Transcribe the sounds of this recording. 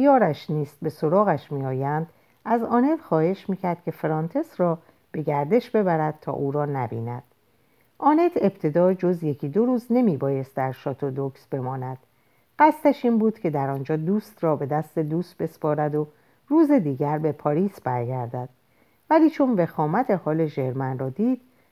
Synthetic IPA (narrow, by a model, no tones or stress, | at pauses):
ijɒːɾæʃniːst̪̚be̞so̞ɾɒːɣæʃmiːɒːjænd̪̥ | æzɒːne̞txɒːhe̞ʃmiːcʰæɾd̪̥̚kʲcʰe̞feɾɒnt̪ʰe̞sɾɒː | b̥e̞ɡæɾd̪e̞ʃbe̞bæɾæd̪̥̚t̪ʰɒ̰ːʔuːɾɒːnæbḭːnæ̰d̪̥ | ʔɒːne̞t̪ʰe̞b̥t̪ʰe̞d̪ɒːd͡ʒo̞zje̞cʰiːd̪o̞ɾuːzne̞miːbɒːje̞st̪̚d̪æɾʃɒːt̪ʰod̪oksbe̞mɒːnæd̪̥ | ɢæst̪æʃiːnbuːd̪̥cʰe̞d̪æɾɒːnd͡ʒɒːd̪uːst̪rɒːbe̞d̪æst̪e̞d̪uːst̪̚be̞spɒːɾæd̪o̞ | ruːze̞d̪iːɟæɾbe̞pʰɒːɾiːsbæɾɡæɾd̪æd̪̥ | væliːt͡ʃʰo̞nve̞xɒːmæt̪ʰe̞hɒːle̞ʒe̞ɾmænrɒːd̪iːd̪̥̚